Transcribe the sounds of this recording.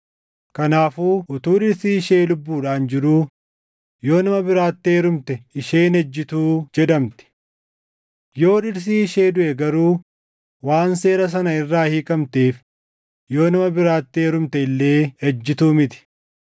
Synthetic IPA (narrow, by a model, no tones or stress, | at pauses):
kɐnaːfuːʔʊt̪uːᶑɪɾsiːɪʃe̞ːlʊbːuːᶑaːnd͡ʒɪɾuː | jo̞ːnɐmɐbɪɾaːt̪ːeːɾʊmt̪ɛɪʃeːnɛd͡ʒːɪt̪uːd͡ʒɛᶑɐmt̪ɪ̥ | jo̞ːᶑɪɾs̬iːɪʃe̞ːd̪ʊʔɛɡɐɾuː | waːnse̞ːɾɐs̬ɐnɐɪrːaːhiːkʼɐmt̪eːf | jo̞ːnɐmɐbɪɾaːt̪ːeːɾʊmt̪ɛɪlːe̞ːhɛd͡ʒːɪt̪uːmɪt̪ɪ̥